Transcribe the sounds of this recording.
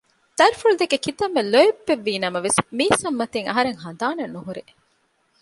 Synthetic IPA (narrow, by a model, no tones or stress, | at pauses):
t̪ɐɾifuɭud̪ekekit̪ɐmːelojebːeʋːiːnɐmɐʋesmiːsɐmːɐt̪eŋɐ̰ɦɐɾeŋɦɐnd̪aːnɐnːuɦuɾe